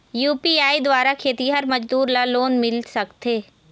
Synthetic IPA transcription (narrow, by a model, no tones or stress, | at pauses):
juːpiaːid̪waːɾakʰeːt̪iɦɐɾmɐd͡ʒd̪uːɾlaloːnmɪlsɐkt̪eː